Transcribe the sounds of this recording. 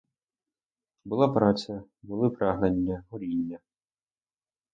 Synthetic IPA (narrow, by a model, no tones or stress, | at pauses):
bɨlˠapɾasʲɐbɨlˠɨpɾaɣnɐnʲːɐɣulʲinʲːɐ